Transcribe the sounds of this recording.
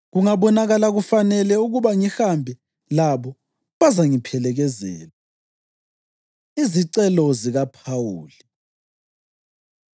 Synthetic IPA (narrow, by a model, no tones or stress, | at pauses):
ɣuŋaβɔnaɣalaɣufanɛlɛuɣuβaŋixambʱɛ | laβɔ | βazaŋipʰɛlɛɣɛzɛ̰ːla | iziǀɛlɔziɣapʰawuːli